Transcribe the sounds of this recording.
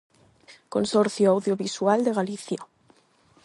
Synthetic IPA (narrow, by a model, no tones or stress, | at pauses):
konsɔɾθjoawðjoβiswald̪eɣaliθja